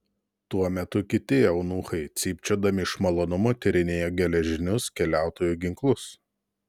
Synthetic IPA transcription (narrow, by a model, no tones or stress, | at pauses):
t̪uɔmʲɛt̪ʊkʲɪt̪ʲɪɐʊnuːxɐɪt̪sʲiːpʲt͡ʃʲoːd̪ɐmʲɪʃmɐlˠoːnʊmoːt̪ʲɪɾʲɪnʲeːjoːɡʲɛlʲɛʒʲɪnʲʊskʲɛlʲæˑʊt̪oːjuːɡʲɪŋklˠʊs